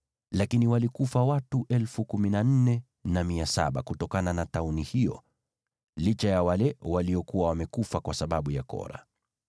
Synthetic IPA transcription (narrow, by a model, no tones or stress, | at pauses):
lakiniwalikufawatuʔɛlfukuminan̩nɛ | namiasa̰ɓa̰kutɔkananataunihijɔ̰ | lit͡ʃajawalɛwaliɔkuwawamɛkufakwasaɓaɓujakɔ̰ɾa̰